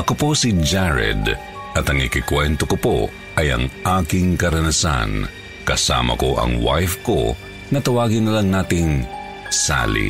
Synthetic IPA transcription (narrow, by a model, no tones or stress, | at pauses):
ʔɐkopo̞sid͡ʒaɹɛ̰d̪ | ʔɐt̪ɐŋɪkɪkwɛnt̪okopo̞̰ | ʔɐjɐ̰ŋʔaːkɪŋkɐɾɐnɐsa̰n | kɐsa̰ːmɐ̰ko̞ʔɐ̰ŋwa̰jfko̞̰ | nɐt̪ɐwaːɡɪnɐlɐŋnaːt̪ɪŋ | sa̰ːlḭ